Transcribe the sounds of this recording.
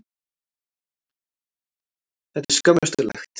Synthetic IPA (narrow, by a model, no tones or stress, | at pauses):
hɛt̪ɪskœməst̪ulɛ̰xt̪